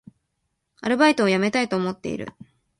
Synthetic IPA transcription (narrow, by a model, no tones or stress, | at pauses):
aɾɯ̟bait̪o̞ːjame̞t̪ait̪o̞ːmo̞t̪ːe̞̰ḭɾɯ̟̰